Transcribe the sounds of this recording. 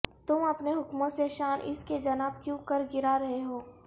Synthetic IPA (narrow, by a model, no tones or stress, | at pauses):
t̪ʊmɐpneɦʊkmõseʃaːɾʔɪ̰sked͡ʒɐnaːb̚kjũkəɾɡɪɾaɾɐɦeɦoː